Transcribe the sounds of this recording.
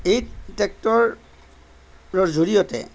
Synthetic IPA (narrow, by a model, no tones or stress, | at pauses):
ejtɛk̚tɔɹ | ɹɔɹzoɹijɔtɛ̰